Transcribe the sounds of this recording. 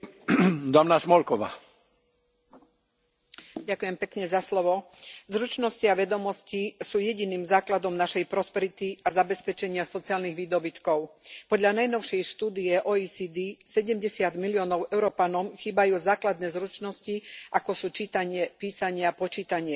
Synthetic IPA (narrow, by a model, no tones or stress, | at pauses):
d̪ɔmnasmɔlkɔʋa̰ː | ɟakujɛmpɛkɲɛzaslɔʋɔ | zɾut͡ʃnɔsciaʋɛd̪ɔmɔscisuːjɛɟiniːmzaːklad̪ɔmnaʃɛjpɾɔspɛɾit̪iazabɛspɛt͡ʃɛɲɪasɔt͡siaːlniɣʋiːd̪ɔbit̪kɔʊpɔd̪ʎanajnɔʊʃɪɛjʃt̪uːd̪ijɛʔɔisid̪isɛɟɛmɟɛsɪad̪miliɔːnɔʊʔɛʊɾɔpanɔmxiːbajuːzaːklad̪nɛːzɾut͡ʃnɔsciʔakɔsuːt͡ʃiːt̪aɲɪɛpiːsaɲɪapɔt͡ʃiːt̪aɲɪɛ